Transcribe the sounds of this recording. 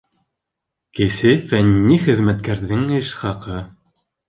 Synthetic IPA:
kɘ̆sɘfænːiχɘ̆ðmæt̪̚kæɾðɘŋɘʃχɑqɤ

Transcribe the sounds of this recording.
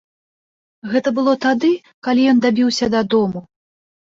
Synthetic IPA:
ɣɛt̪ɐbɨlˠɔt̪ad̪ɨ | kalʲijɔnd̪abʲiwsʲɐd̪ad̪ɔmu

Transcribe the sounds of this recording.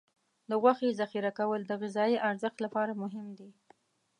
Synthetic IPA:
d̪əɣwaxezaxiɾakawəld̪əɣɪzɑjiʔaɾzəxt̪lapɑɾamʊɦɪmd̪i

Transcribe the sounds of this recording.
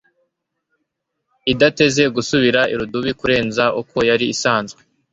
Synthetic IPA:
idate̞ze̞ɡusuβiɾaiɾuduβikuɾe̞ːnzaʔuko̞jaɾiːsaːnzɡwe

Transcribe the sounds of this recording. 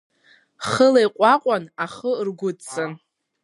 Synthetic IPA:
χəlajqʷʼaqʷʼanaχərɡʷʊtt͡sʼɨn

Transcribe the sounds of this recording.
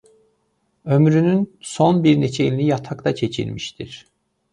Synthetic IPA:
ø̞mɾynynsonbiɾnet͡ʃʰeilʲinʲijat̪ʰakt̪at͡ʃʰe̞t͡ʃʰḭlʲmiʃt̪ʰḭɾ̥

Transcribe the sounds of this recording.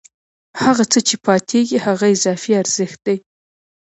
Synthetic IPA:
haɣat͡sət͡ʃepʰɑt̪ʰeɡihaɣaɪzɑfiaɾz̥əxt̪̚d̪aj

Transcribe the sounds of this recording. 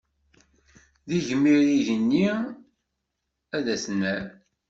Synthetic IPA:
ðiʝəmːiɾiʝənːi | æðæsnæɾ

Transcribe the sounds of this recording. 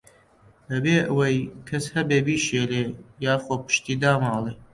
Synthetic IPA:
dɐbeːʔəwɐjkʰɐshɐbeːbiːʃeːleːjaːxoːpɨ̥ʃt̪iːd̪aːmɑːlˠeː

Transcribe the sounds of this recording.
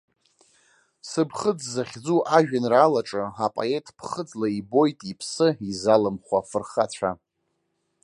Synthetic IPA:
sɨbχəd͡zzaχʲd͡zuʔaʒᶣanraːlaʈ͡ʂʼɨapʼo̰e̞tʼpʰχəd͡zlaibo̞jtʼipʰsɨizalɨmχʷafɨrχat͡ɕʷʰa

